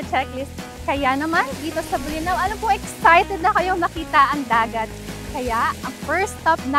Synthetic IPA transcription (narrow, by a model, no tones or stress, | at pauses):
ɐt͡ʃɛklɪs | kɐjanɐmand̪iːt̪osɐbʊlɪnɐwʔɐlopoʔɛksajt̪ɛd̪̚nɐkɐjoŋnɐkiːt̪ɐʔɐŋd̪aːɡɐt̪̚kɐjaʔɐŋfɛɹst̪ɐp̚nɐ